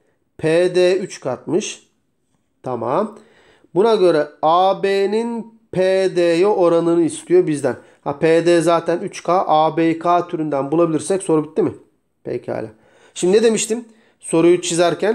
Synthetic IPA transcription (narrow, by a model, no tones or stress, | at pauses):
pʰeːd̪eːyt͡ʃkʰat̪̚mɯʃ | t̪ʰama̰m | bunaɟø̞ɾɛaːbeːnin | pʰeːd̪eːjoʔoɾanɯnɯist̪ʰijobizd̪æn | hapʰed̪eːzaːt̪ʰænyt͡ʃkʰaːʔaːbekʰaːt̪ʰyɾynd̪ænbulˠabilʲiɾsɛcso̞ɾubit̪ːimɪ | pʰḛjcʰa̰ːlʲa̰ | ʃimd̪ined̪e̞miʃt̪ʰim | so̞ɾujut͡ʃʰizaɾcʰæn